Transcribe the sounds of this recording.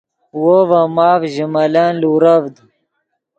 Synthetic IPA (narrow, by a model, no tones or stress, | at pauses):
wovamaːfʑimɐlanluːɾavd̪